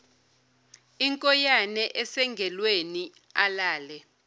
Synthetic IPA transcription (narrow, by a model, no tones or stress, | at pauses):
iŋkʼɔjanɛʔɛsɛŋɡʱɛlweni | alaːlɛ